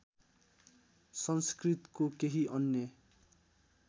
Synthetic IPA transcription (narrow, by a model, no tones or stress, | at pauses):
sʌnskrit̪kokeɦiʔʌnjʌ